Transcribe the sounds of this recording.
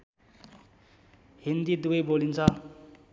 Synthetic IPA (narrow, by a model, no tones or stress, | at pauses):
ɦind̪id̪uɡʌjbolint͡sʰʌ